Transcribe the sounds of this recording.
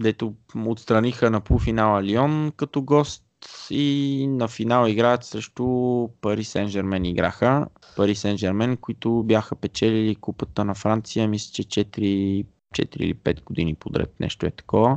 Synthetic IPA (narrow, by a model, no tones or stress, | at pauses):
d̪ɛt̪oot̪st̪ɾɐnixənɐpufinalˠəliɔnkɐt̪ɔɡɔst̪inɐfinalˠəiɡɾaət̪səʃt̪opɐɾisɛnʒɛɾmɛniɡɾa̰xə | pɐɾisɛnd͡ʒɛɾmɛnkoit̪ʊbjaxəpɛt͡ʃɛlɛlikupət̪ənɐfɾant̪sijəmislʲi̥t͡ʃɛt͡ʃɛt̪iɾi | t͡ʃɛ̰t̪iɾḭlipɛt̪ɡ̥od̪inipod̪ɾɛ̰t̪nʔɛ̰ʃt̪oɛt̪ɐ̥kɔvə